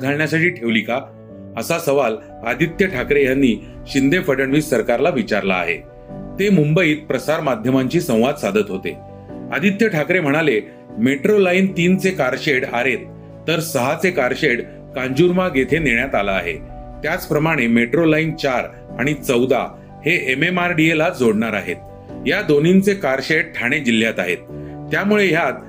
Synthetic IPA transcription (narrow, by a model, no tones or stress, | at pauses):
ɡʱaɭɳjasaʈiːʈʰeʋlika | əsasəʋal | əd̪it̪jəʈʰakɾejanːiː | ɕind̪ʱefəɖəɳʋiːssəɾkaɾlaʋit͡ɕaɾla̰ːɦḛ | t̪emumbəiːt̪̚pɾəsaɾmad̪ʱjəmaɲt͡ɕiːsə̃w̃ʋad̪sad̪ʱət̪ɦot̪ḛ | a̰d̪ʱit̪jəʈʰakɾem̤əɽ̃ale | meʈɾolaint̪iːnt͡sekaɾɕeɽa̰ɾet̪ː | əɾsəɦat͡sekaɾɕeɽ | kãɲd͡ʑuɾmaɡet̪ʰeneɳjat̪alaːɦḛ | t̪jat͡spɾəmaɽ̃emeʈɾolaint͡ɕaɾ | aɽ̃it͡səwd̪a̰ | heʔememaɾɖielad͡zoɽɳaɾa̰ɦḛt̪̚ | jad̪onint͡sekaɾɕeɽʈʰaɽ̃ed͡ʑil̤ːjat̪aɦḛt̪ːjamuɭejat̪̚